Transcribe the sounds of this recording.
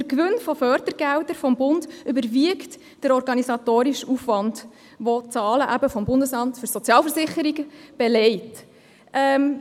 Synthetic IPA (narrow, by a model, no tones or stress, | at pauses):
əɾkʋʏnfɔfœɾdəɾɡ̥ældəɾfɔmbʊndʏbəɾʋiəkt | d̥əɾɔɾɡɑnisɑt̪oːɾiʃufʋɑnd | ʋɔt͡sɑːləʔæbəfɔmbʊndəsɑmtfʏɾsɔt͡sjɑːlfəɾsɪχəɾiɡəb̥ɛlɛɪt | ʔɛm